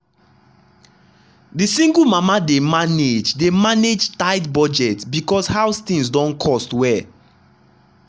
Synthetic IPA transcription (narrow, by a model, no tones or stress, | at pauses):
disĩŋɡulmamademaned͡ʒdemaned͡ʒtaɪtbɔd͡ʒɛtsbikɔshaʊst̪ĩŋsdɔ̃nkʰɔstwɛ